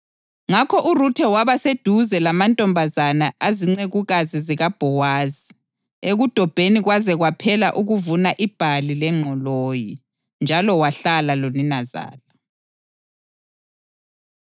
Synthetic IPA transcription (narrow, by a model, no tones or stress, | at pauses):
ŋakʰɔʔurutʰɛwaβased̥ʱuzɛlamantʼɔmbʱazanaaziŋ͡ǀeɣuɣaziziɣab̥ʱɔwaːzi | eɣud̥ʱɔb̥ʱeniɣwazɛɣwapʰɛlaʔuɣuvunaʔib̥ʱalilɛŋ͡ǀʱɔloːji | nd͡ʒʱalɔwaɬalaloninaza̰ːla